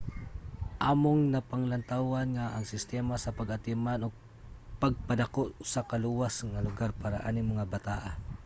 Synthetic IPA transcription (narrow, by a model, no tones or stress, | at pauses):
ʔaːmoŋnapaŋlant̪awanŋaʔːŋsɪst̪ɛːmasapaɡat̪ɪmanoɡ̚ | paɡ̚pad̪akoʔsakaluwasŋalʊɡarpaːɾa̰ʔanɪŋmʊŋabat̪aːʔa